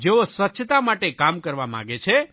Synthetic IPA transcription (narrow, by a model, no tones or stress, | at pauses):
d͡ʒeosʋətːʃʰt̪amaʈekamkəɾʋamã̰ɡet͡ʃʰe